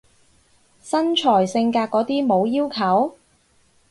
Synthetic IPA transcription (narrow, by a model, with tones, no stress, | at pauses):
sɐ˥nt͡ʃʰɔː˨˩jsɪ˧ŋkaː˧t̚kːɔː˨˥t̪iː˥mo˨˧wjiː˥wkʰɐ˨˥w